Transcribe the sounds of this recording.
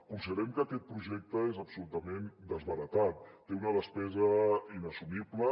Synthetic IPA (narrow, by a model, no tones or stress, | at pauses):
kunsiðəɾɛmkəːkɛt̪̚pɾuʒɛk̚t̪əezəpsulut̪əmend̪əzβəɾət̪at̪̚ːeunəðəspɛzəinəsumiblə